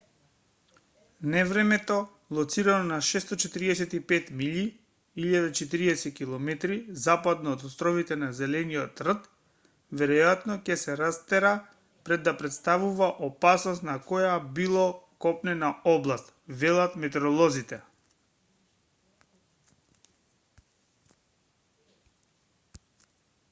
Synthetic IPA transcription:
nɛvɾɛmɛt̪ɔ | lˠɔt̪siɾanɔnaʃɛst̪ɔt͡ʃɛt̪iɾiɛsɛt̪ipɛt̪miʎi | iʎad̪at͡ʃɛt̪iɾiɛsɛkilˠɔmɛt̪ɾizapad̪nɔːt̪ɔst̪ɾɔvit̪ɛnazɛlɛnijɔt̪r̩t̪ | vɛɾɔjat̪nɔcɛsɛɾast̪ɛɾa | pɾɛd̪ːapɾɛt̪st̪avuvaʔɔpasnɔst̪nakɔjabilˠɔkɔpnɛnaɔblˠast̪vɛlˠat̪mɛt̪ɛɾɔlˠɔzit̪ɛ

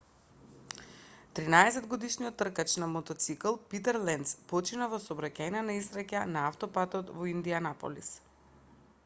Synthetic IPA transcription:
t̪ɾinaɛsɛd̪ɡod̪iʃnijɔt̪ːr̩kat͡ʃnamot̪ɔt̪siklˠpit̪ɛɾlɛnt̪spɔt͡ʃinavɔsoːbɾacʲajnanaisɾacanaaft̪ɔpat̪ɔt̪vɔind̪ianapo̰lḭs

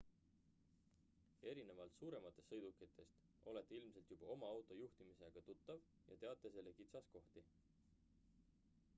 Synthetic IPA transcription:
e̞ɾine̞vɑlt̪suːɾe̞mɑt̪ːˑe̞stːɤjd̪̥ukːˑit̪ʰːˑe̞st̪ | o̞let̪ːˑeilmse̞lt̪jub̥ɑo̞mɑɑwt̪ˑo̞juht̪imise̞ɡ̥ɑt̪ut̪ːˑɑv | jɑ̰t̪e̞ɑt̪ːˑe̞se̞lːe̞kit̪sɑsko̞ht̪i

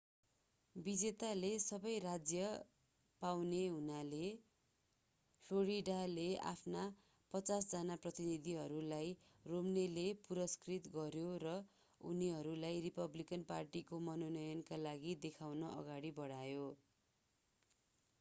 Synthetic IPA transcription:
bid͡zet̪alesʌbʌjrad͡zjʌ | pawneɦunale | pʰloɾiɖalea̰pʰna | pʌt͡sasd͡zanaprʌt̪inid̪iɦʌɾulaj | romnelepuɾʌskrit̪ɡʌɾjoɾʌ | ṵniɦʌɾulajripʌblikʌnparʈikomʌnonʌjʌnkalaɡid̪ekʰawnʌʔʌ̰ɡaɽibʌɽajo

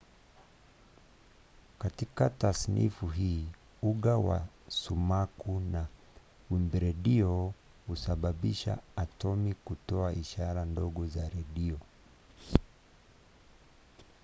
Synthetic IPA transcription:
katikatasnḭfuɦiː | uɠawa̰ | sumakuna | wimbɛɾɛɗiɔ | husaɓaɓiʃa̰ːtɔmikutɔaiʃaɾandɔɠɔzaɾɛɗiɔ

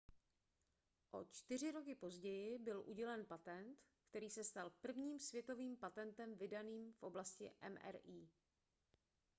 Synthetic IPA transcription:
ʔo̞̰t͡ʃt̪ɪr̝ɪɾo̞k̬ɪpo̞zɟɛjɪbɪlʔuɟɛlɛnpat̪ɛnt̪kt̪ɛɾiːsɛst̪alpr̩vɲiːmsvjɛt̪o̞viːmpat̪ɛnt̪ɛmvɪdaniːmfʔo̞blascɪ̰ʔɛ̰mʔɛ̰ɾʔiː

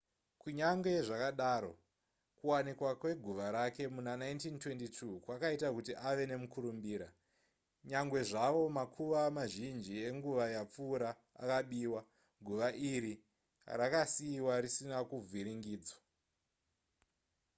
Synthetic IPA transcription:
kuɲaŋɡe̞ʐakaɗaːɾo̞ | kuwanikwakwe̞ɡʱuʋaɾake̞munanaintintwe̞ntitʰukwakaitakutiʔaʋe̞ne̞mukuɾumbiːɾa | ɲaŋɡwe̞ʐaʋo̞makʰuʋamaʒind͡ʒie̞ŋɡuʋajap͡fuːɾa | a̰kaɓiːwa | ɡʱuʋaʔiɾi | rakasiwaɾisinakub͡viɾiŋɡiːd͡zwa

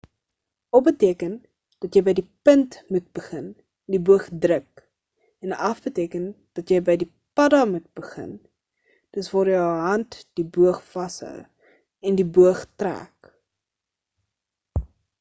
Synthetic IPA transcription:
ɔp̚bətiəkən | d̥ɐtjəjbəjdipəntmut̚bəχən | dibuəχdrək | ɛnɐfbətiəkən | d̥ɐtjəjbəjdi | pɐdɐmut̚bəχə̰n | d̥əsvɑːɾjəəɦɐntd̥ibuəχfɐsə̰ | ɛndibuəχtræ̰ːk

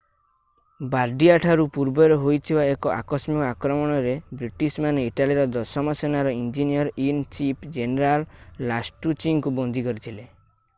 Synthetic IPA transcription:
baɾɖiaʈʰaɾupuɾbɔɾeɦojt̪ʰibaekɔʔa̰kɔsmikɔakɾɔmɔɽ̃ɔɾebɾiʈismaniʈaliɾɔd̪ɔsɔmɔsenaɾɔind͡ʒiniɔɾint͡ʃipd͡ʒeneɾalːasʈut͡ʃiŋkubɔnd̪ʱikɔɾit̪ʰile

